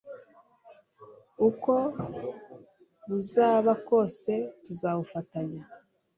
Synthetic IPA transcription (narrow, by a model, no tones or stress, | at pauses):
uko̞ | βuzaːβako̞ːse̞tuzaːβufataɲa